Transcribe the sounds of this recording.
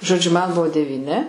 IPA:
ʒoːˈd͡ʒʲʊ mɐn ˈbʊʋoː dʲɛʋʲiːˈnʲɪ

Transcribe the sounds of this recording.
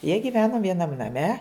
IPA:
jiɛ ɡʲiːˈʋʲæːnʊ ʋʲiɛˈnɐm nɐˈmʲɛ

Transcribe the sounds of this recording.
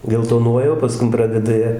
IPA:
ɡʲɛlˠtoːˈnuɔjɛ oː pɐˈskʊm ˈprɑːdʲɛdɐ ˈjiɛ

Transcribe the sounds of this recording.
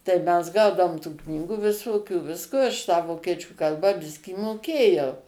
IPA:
tɐɪ ˈmʲɛs ˈɡɐʊdɐʋoːm tuː ˈknʲiːɡuː ʋʲɪˈsoːkʲuː ˈʋʲɪskoː ɐʃ tɑː ˈʋoːkʲiɛt͡ʃʲuː ˈkɐlˠbɑː ˈbʲɪsʲkʲiː moːˈkʲeːjɛʊ

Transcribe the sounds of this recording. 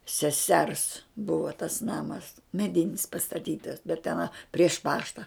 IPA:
sʲɛˈsʲɛrs ˈbʊʋoː tɐs ˈnɑːmɐs mʲɛˈdʲɪnʲɪs pɐstɐˈtʲiːtɐs bʲɛt tʲɛˈnɐ pʲrʲiɛʃ ˈpɑːʃtɐ

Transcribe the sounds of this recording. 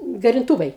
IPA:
ɡɐrʲɪnˈtuːʋɐɪ

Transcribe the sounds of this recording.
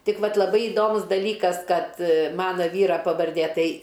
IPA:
ˈtʲɪk ˈʋɐt lˠɐˈbɐɪ ɪˈdoːmʊs dɐˈlʲiːkɐs ˈkɐt ˈmɑːnɐ ˈʋʲiːrɐ pɐʋɐrʲˈdʲeː ˈtɐɪ

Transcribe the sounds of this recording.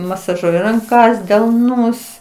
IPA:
mɐsɐˈʒuɔjɪ rɐŋˈkɐs dʲɛlˠˈnʊs

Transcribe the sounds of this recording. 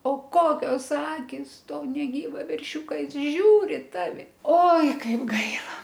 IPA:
oː ˈkoːkʲoːs ˈɑːkʲɪs ˈtoː nʲɛˈɡʲiːʋɑː ʋʲɛrʲˈʃʲuːkɐ ˈjɪs ˈʒʲuːrʲɪ ɪ ˈtɑːʋʲɪ ˈoːɪ ˈkɐɪp ˈɡɐɪlˠɐ

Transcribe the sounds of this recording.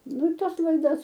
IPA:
ˈnʊ ɪ ˈtɐs lˠɐɪˈdɐs

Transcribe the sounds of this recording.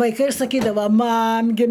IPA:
ʋɐɪˈkɐɪ sɐˈkʲiːdɐʋɐ ˈmɐm ɡʲɪ

